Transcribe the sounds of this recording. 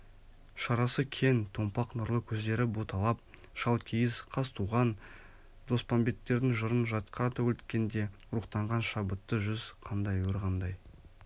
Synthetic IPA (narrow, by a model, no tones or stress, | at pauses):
ʃɑɾɑsəkʲʰe̞nt̪ʰo̞mpɑqnʊɾlˠəkʲʰɵzd̪e̞ɾɪbut̪ʰɑlˠɑp̚ | ʃɑlˠkʲʰijɪzqʰɑst̪ʰuʁɑn | d̪̥o̞spʰombʲe̞t̪ːe̞ɾd̪ɪŋʒəɾənʒɑt̪qɑt̪ʰæwʏlt̪kʲe̞nd̪e̞ʊɾuqt̪ɑɴʁɑnʃɑbət̪ːəʒʏzqʰɑnd̪ɑjwoɾʁɑnd̪ɑj